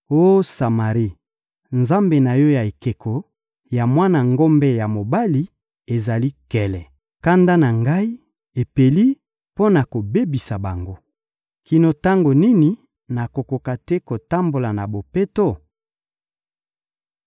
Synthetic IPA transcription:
o˦sa˨ma˨ʁi˦ | nza˦mbe˨na˨jo˦ja˨e˨ke˨kʰo˨ | ja˨mwa˦na˨ŋɡo˦mbɛ˦ja˨mo˨ba˦li˦ | e˨za˨li˦kɛ˨lɛ˨ | ka˦nda˦na˨ŋɡa˦i˦ | e˨pe˨li˦ | po˦na˨ko˨be˦bi˨sa˨ba˨ŋɡo˦ | ki˨no˨ta˦ŋɡo˨ni˦ni˨ | na˨ko˨ko˨ka˨tɛ˦ko˨ta˦mbo˨la˨na˨bo˨pe˦to˦˨

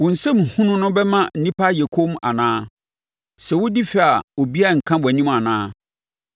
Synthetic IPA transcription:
wʊ̃˨n̩˨sɛ˦m̩˨hũ˦nʊ̃˦nʊ̃˦bɛ˦mã˦n̩˨nĩ˦pʰa˦jɛ˨kʰo˦ma̰˨nãː˦ | sɛ˨wʊ˦di˦fɪ˨a˨o˨bi˦a˦˨ŋ̩˨kʰã˦bɔ˨nĩ˦ma˨nãː˦

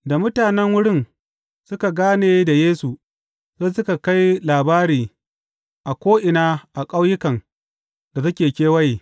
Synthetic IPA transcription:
da˨mʊ˦taː˨nɛ˦ŋwʊ˦ɽɪ˦˨n | sʊ˦ka˨ɡaː˦neː˨da˨jeː˦su˨ | za˦sʊ˦ka˨ka˦jlaː˨baː˦ɾiː˨ | ʔa˨kʷoː˦ʔɪ˨naː˦ʔa˨kʼa˦wjɪ˦kɐ˨n | d̥a˨sɐ˦kʲeː˨kʲeː˦wɐ˦jiː˨

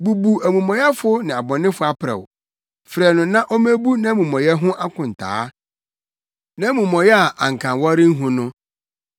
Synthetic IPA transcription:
bu˨bu˨æ˨mũ˨mɔ̃˨jɛ˦fʊ˦nɪ̃˨a˨bɔ̃˨nɪ̃˦fʊ˦a˦pʰɾɛ̰˨w | fɾɛ˨nʊ̃˨nã˦ʔo˦mæ̃˦bu˦nã˦mũ˨mɔ̃˨jɛ˦ɦʊ̃˦ʔa˦kʰʊ̃˨n̩˨tʰa̰ː˨˦ | nã˦mũ˨mɔ̃˨jɛ˦a˨ʔa˨ŋ̩˨kʰã˨nwɔ˦ɾɪ˦n̩˦ɦũ˦nʊ̃˦

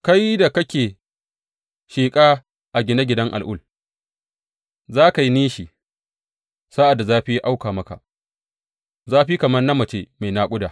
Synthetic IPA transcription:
ka˦jda˨kɐ˦kʲeː˨ | ʃeː˨kʼaː˦ | ʔa˨ɡʲɪ˦na˦ɡʲɪ˨dɐ˦ŋʔa̰˨lʔʊ̰˦l | zaː˦ka˨ji˦niː˦ʃi˨ | sa˦ʔa˨dːa˨zaː˦ɸi˦ja˦ʔa˦wkaː˨mɐ˦ka̰˨ʔ | zaː˦ɸi˦kɐ˨mɐ˦rnɐ˦mɐ˨t͡ʃeː˦ma˨jnaː˦kʷʼʊ˦daː˨

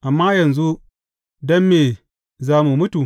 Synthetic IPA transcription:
ʔa˨mːa˦jɐ˨nzu˦ | dɐ˦mːeː˨ | zaː˦mu˨mʊ˦tu˨

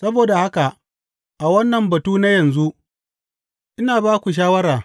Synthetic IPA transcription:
sɐ˦boː˨da˨ha˦ka˨ʔ | ʔa˨wɐ˦nːɐ˨mbɐ˨tuː˦na˦jɐ˨nzu˦ʔ | ʔɪ˦naː˨baː˦kʷu˨ʃ̬aː˦wɐ˦ɾaː˨

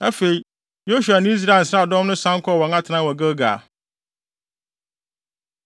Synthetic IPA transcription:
æ˦fe˨i˨ | jo˦ɕu˨a˨nɪ̃˦i˦s̬ɾa˨n̩˨sɾa˦˨dɔ̃˦mnʊ̃˦sã˦ŋ˦kʰɔ˦˨wɔ̃˨ŋã˦tʰnã˦wɔ˨ɡə˦ɡa̰˨

